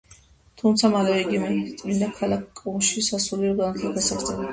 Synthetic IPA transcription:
t̪ʰumt̪sʰamalɛvɛiɡimɛt̪ʼmind̪akʰalakʰkʼːumʃisasuliɔɡanat̪ʰlˠaɡasaɾd̪zʰɛna

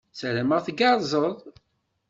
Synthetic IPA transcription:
sɾəməʁθɡɑɾˤzˤəðˤ

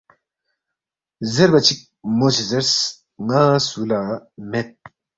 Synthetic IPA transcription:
zeɾbɐt͡ɕʰik̚moɕizeɾs | ŋãːsulaːmet̪̚

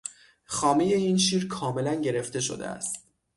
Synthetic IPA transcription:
xɒːme̞je̞iːnʃiːɾkʰɒːme̞lænɟe̞ɾe̞ft̪e̞ʃo̰d̪e̞̰æ̰st̪

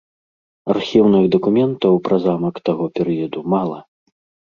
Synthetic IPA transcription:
arxʲiwnɨɣd̪ɐkumʲɛnt̪ɐwpɾɐzamɐkt̪aɣɔpʲɛɾɨjɐd̪umalˠɐ̰

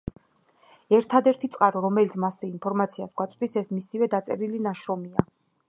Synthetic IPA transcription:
ɛɾt̪ʰad̪ɛɾt̪ʰit̪sʼqʼaɾɔɾɔmɛlit̪sʰmasɛinpʰɔɾmat̪sʰiasɡʷwat̪sʼd̪isɛsmisivɛd̪at̪sʼɛ̰ɾilinaʃɾɔmia

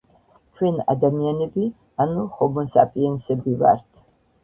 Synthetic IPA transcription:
kʰwɛna̰d̪amianɛbi | anuχɔbɔnsa̰pʼiɛnsɛbiva̰ɾt̪ʰ

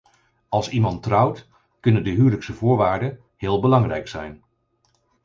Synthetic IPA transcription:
ɑlˠsimɑntrʌwt | kɵnəndəɦyːwləksəvʊːɹʋaːɹdə | ɦɪːlˠbəlɑŋrɛjksɛjn

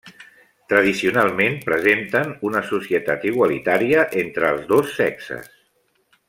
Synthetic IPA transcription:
t̪ɾəð̞isiunalˠmenpɾəzent̪ənunəsusiət̪at̪iɣ̞walit̪aɾiəʔent̪ɾəːlˠzðosːɛksə̰s

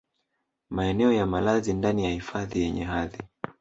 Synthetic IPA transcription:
maɛnɛɔjamalazindanijahifaðijɛɲɛɦaði

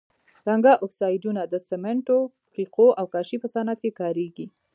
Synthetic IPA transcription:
ɾaŋɡaʔɔksɑjɖunad̪əsɪmeɳʈo | fiqʰoʔawkɑʃipəsanat̪̚kekɑɾeɡi

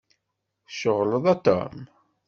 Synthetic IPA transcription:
ʃəʁləðˤɑt̪ːɑ̰m

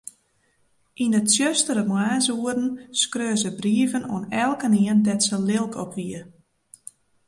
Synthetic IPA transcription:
ʔindəsjøstəɾəmwaːsuərdn̩skrøːzəbriəvəno̰ənɛlˠkəniəndɛtsəlɪlˠkʰɔpʋiə

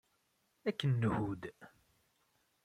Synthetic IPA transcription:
ækːənːəhud̪

